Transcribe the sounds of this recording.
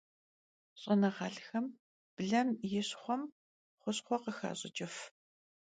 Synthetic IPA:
ɕʼɐnɐʁɑːɮxɐm | b̥ɮɐmjɪɕχʷɔm | χʷʊɕχʷɔqəxa̰ːɕʼɪ̰t͡ʃʼɪf

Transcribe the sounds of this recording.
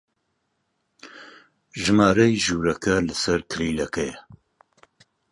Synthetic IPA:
ʒɨmaːɾɐjʒuːɾɐkɐlɨsɐɾkʰɨɾiːlɐkɛjɛ

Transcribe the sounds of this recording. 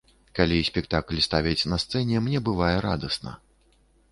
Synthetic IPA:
kalʲisʲpʲɛk̚t̪aklʲst̪avʲɐt͡sʲnɐst̪sɛnʲɛmnʲɛbɨvajɛɾa̰d̪ɐsnɐ̰

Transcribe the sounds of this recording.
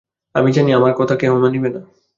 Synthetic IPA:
a̰mid͡ʑaniamaɾkɔt̪ʰakeɦumanibena

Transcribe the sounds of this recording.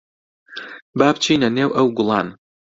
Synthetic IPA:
baːbt͡ʃʰiːnɐneːwʔɐwɡʊlˠɑːn

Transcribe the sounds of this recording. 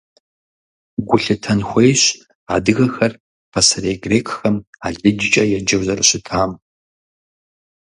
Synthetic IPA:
ɡʷʊɬɨtʰɐnxʷejɕ | a̰ːdɨɣɐxɐr | pʰɐsɐreːjɡreːkʰxɐmaːɮidɪt͡ʃʼɐjɛd͡ʒɐwzɐrɨɕɪtʰaːm

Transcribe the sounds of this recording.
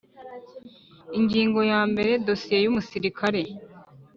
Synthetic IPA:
iŋɡiːŋɡo̞jaːmbe̞ɾe̞do̞sije̞jumusiɾikʰaɾe̞

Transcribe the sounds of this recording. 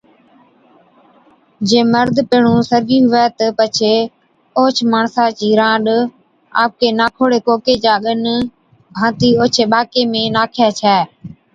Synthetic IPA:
d͡ʒẽːməɾd̪ʱpeːɳũːsəɾɡiːɦʊʋɛːt̪əpət͡ʃʰeː | oːt͡ʃʰmaːɳsãːt͡ʃiːɾãːɗ | a̰ːp̚keːnaːkʰoːɽeːkoːkeːt͡ʃaːɠən | bʱãːt̪iːoːt͡ʃʰeːɓaːkeːmẽːnaːkʰjaːt͡ʃʰɛː

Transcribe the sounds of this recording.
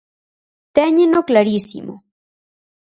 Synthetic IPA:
t̪eɲenoklaɾisḭmo̰

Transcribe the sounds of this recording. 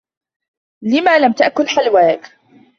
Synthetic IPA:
lɪmaːlamt̪aʔkʊlħalwaːk

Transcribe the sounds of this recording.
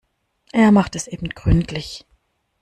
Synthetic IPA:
ʔeːɐmaχtɛsʔeːbm̩tɡ̥ʁʏntʰlɪç

